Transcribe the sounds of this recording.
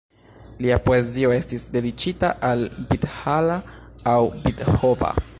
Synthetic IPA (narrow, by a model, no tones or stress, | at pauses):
liapoe̞zio̞e̞stisde̞dit͡ʃitaʔalbithalaawbithova̰